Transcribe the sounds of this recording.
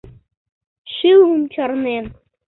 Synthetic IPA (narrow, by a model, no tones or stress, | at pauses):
ɕɯlˠumt͡ɕɑrnen